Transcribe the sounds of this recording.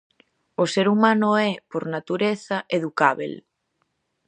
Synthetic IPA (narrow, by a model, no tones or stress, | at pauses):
oseɾumanoɛpoɾnat̪uɾeθaʔeðukaβḛl